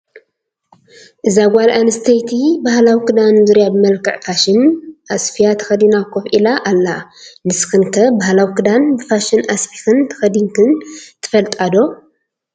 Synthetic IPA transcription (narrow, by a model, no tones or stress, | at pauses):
ʔɨzaɡʷalʔanɨst̪ʰɐjt̪ʰibahlawikɨd̪anzɨɾjabɨmɐlkʰɐ̰ʕfaʃɪnʔasfijat̪ʰɐ̥xɐd̪inakʰofʔilaʔalːa | nɨsxɨnkʰɐbahlawikɨd̪anbɨfaʃɨnasfixɨnt̪ʰɐ̥xɐd̪iŋkʰɨnt̪ʰɨ̥fɐlt̪ʼad̪o